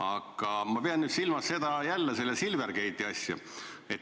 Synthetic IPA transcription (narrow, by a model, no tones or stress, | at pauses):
ɑɡ̥ɑmɑpeɑnːyːd̪silmɑsse̞d̪ɑjælːese̞lːesilverkejt̪ːˑiɑsʲjɑ̰ | e̞t̪